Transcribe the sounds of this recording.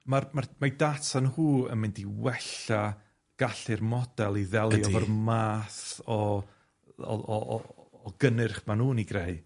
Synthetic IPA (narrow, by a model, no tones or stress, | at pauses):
marmarmajdatʰanhuːə̰nmɪndiwɛɬa | ɡ̥aɬɨrmɔd̥ɛlˠiðɛlˠiɔvərmaːθɔ | ɡ̥ənɨrχmanuːniɡreɨ